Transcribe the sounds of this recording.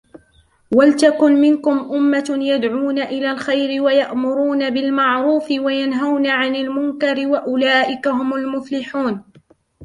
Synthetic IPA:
walt̪akʊnmɪnkʊmʔʊmːajad̪ʕuːnaʔɪlaːlxajɾɪwajaʔmʊɾuːnabɪlmaʕɾuːfɪwajanɦawnaʕanɪlmʊŋkɑɾɪwaʔʊlaːʔɪkaɦʊmʊlmʊflɪħuːn

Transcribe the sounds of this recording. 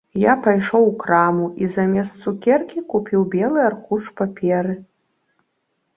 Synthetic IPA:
japajʂowkramuʔizɐmʲɛst̪sukʲɛrkʲikupʲiwbʲɛlˠɨarkuʂpapʲʰɛɾɨ

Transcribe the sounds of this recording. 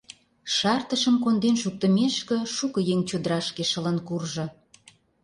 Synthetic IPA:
ʃɑrt̪əʃəmkond̪enʃuk̚t̪ə̆meʃkĕʃukə̆jeŋt͡ɕod̪əɾɑʃkeʃə̆lənkurʒɤ̆

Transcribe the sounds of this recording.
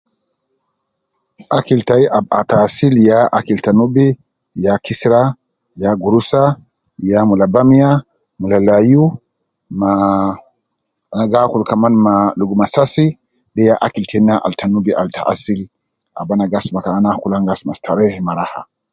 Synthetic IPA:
ʔakiltajʔaba̰tasiljaʔakiltanubɛ | jakʰisɾa | jaɡuɾusa | jamulabamija | mulalaju | ma | anaɡakulkamanmaluɡumasasi | dɛjaʔakiltʰɛnːaʔa̰ltʰanubiʔa̰lta̰ʔa̰sil | ʔa̰banaɡasmakanakulaŋɡasmastʰaɾɛhimaɾaha̰

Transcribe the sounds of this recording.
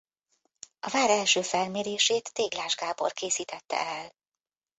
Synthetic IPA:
ɒvaːɾɛlʃøːfɛlmeːɾeːʃeːt̪ːeːɡlaːʒɡaːbo̞̰rkeːsiːt̪ɛt̪ːɛ̰ɛl

